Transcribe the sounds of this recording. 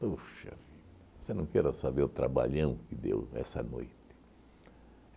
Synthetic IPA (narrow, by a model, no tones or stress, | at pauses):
poʃɐ̰fiʎɐosenɐ̃w̃kɛɾɐsabeɾʊt̪ɾa̰ba̰ʎɐ̃w̃kɪd̪ḛwɛ̰sɐ̰no̰jt̪ɪ̥